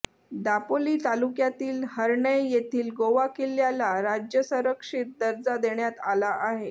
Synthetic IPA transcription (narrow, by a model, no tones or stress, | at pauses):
d̪apoliːt̪alukjat̪iːlhəɾɳəjjet̪ʰiːlɡoʋakeljalaɾad͡ʑjəsəɾəkʂit̪̚d̪əɾd͡zad̪eɳjat̪alaʔaɦe